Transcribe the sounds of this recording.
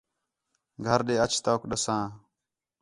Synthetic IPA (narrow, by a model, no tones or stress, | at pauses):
ɡʱɐɾɗeːɐt͡ʃʰt̪akɗɐsãː